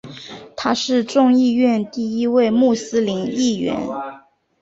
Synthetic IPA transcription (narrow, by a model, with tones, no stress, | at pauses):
t̪ʰa˥ʂɻ̩˥˧ʈ͡ʂʊ˥˧ŋi˥˧ɥɛ˥˧nt̪i˥˩i˥we˥˧ɪmu˥˩sɹ̩˥li˧˥ni˥˩ɥɛ̰˧˥n